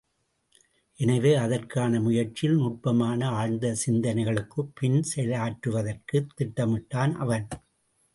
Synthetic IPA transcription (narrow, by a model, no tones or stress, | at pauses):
ʔɛnɐʋeːɐðɐrkaːnɐmʊjɐrt͡ʃɪlnʊʈ̚pɐmaːnɐaːɻnd̪ɐsɪnd̪ɐnɐɪɣɐɭɯkːɯpːɪnsɛlɐjaːʈɾɯʋɐðɐrkɯt̪ːɪʈːɐmɪʈːaːnʔɐ̰ʋɐn